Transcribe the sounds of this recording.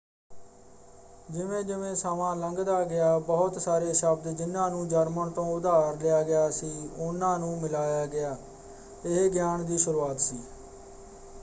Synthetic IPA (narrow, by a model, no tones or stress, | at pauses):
d͡ʒɪʋẽːd͡ʒɪʋẽːsaːmãːləŋɡd̪aːɡɪjaːbəɦʊt̪saːɾeːʃəb̚d̪d͡ʒɪnːãːnũːd͡ʒəɾməɳt̪õːʊd̪aːɾlɪjaːɡɪjaːsiːʊnãːnũːmɪlaːjaːɡɪjaː | ɪɡjaːɳd̪iːʃʊɾuːaːt̪siː